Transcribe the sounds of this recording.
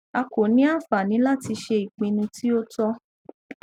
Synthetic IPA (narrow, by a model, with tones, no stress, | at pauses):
a˧ko˨nĩ˨˦a˦˨fa˨nĩ˨˦la˦ti˧ʃe˧i˨k͡pĩ˧nũ˧ti˦o˦tɔ˦